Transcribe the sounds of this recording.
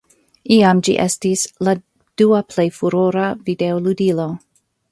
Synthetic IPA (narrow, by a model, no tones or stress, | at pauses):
iamd͡ʒḭʔḛstisla | d̥uaple̞jfuɾoɾavide̞oludilo̞